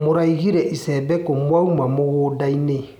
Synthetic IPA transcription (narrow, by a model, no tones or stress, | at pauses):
moɾaiɣiɾɛʔisɛbɛkɔmwaumamoɣoːdaine